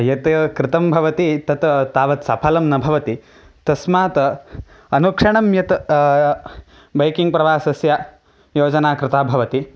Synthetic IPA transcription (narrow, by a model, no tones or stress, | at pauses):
jɐt̪kɾɪt̪ɐmbʱɐʋɐt̪it̪ɐt̪t̪aːʋɐt̪sɐpʰɐlɐmnɐbʱɐʋɐt̪i | t̪ɐsmaːt̪ɐ | ɐnukʂɐɳɐmjɐt̪ | bɐjkiŋɡ̚pɾɐʋaːsɐsja | joːd͡ʒɐnaːkɾɪt̪ʰaːbʱɐʋɐt̪i